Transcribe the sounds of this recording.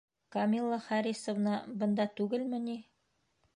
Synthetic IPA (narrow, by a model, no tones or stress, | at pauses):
kɐmʲilˠːɑχæɾisovnɑbɤ̆nd̪ɑt̪ʉɡɘlmɘ̆ni